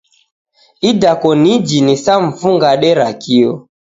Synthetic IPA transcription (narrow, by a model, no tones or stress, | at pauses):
idakɔnid͡ʒinisaɱ̩fuŋɡaɗɛɾakiɔ